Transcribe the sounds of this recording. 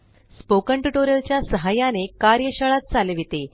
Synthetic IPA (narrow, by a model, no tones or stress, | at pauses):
spokəɳʈuʈoɾjəlt͡ɕjasəɦajanekaɾjəɕəɭat̪̚t͡saleʋit̪e